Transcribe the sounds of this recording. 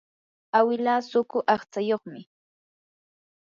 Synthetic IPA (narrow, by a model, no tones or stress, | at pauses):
awɪlaːsʊkʊʔɑχt͡sajoχmɪ